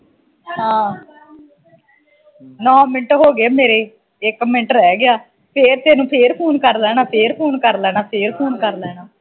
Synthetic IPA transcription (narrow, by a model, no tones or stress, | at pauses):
ɦãː | nɔ̃ːmɪʈɦoːɡeːmeːɾeː | ɪkːmɪɳʈɾɛːɡɪaː | pʰeːɾt̪eːnũːpʰeːɾpʰoːnkəɾlɛːnaːpʰeːɾpʰoːnkəɾlɛːnaːpʰeːɾpʰoːnkəɾlɛːnaː